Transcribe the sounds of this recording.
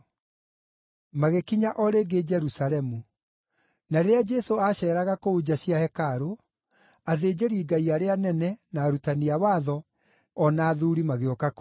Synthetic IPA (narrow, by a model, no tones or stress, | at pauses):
maɣekiɲaʔɔɾeɡed͡ʒɛɾusalɛmu | naɾead͡ʒɛsoaɕɛːɾaɣakoud͡ʑaɕjahɛkaɾo | aðeːd͡ʑeɾiːɡaiaɾeanɛnɛnaːɾutaniawaːðɔ | ɔnaːðuɾimaɣeɔkak